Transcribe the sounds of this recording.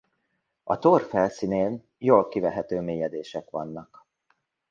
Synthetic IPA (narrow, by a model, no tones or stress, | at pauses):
ɒt̪orfɛlsineːn | joːlkivɛɦɛt̪øːmeːjɛd̪eːʃɛkʋɒnːɒk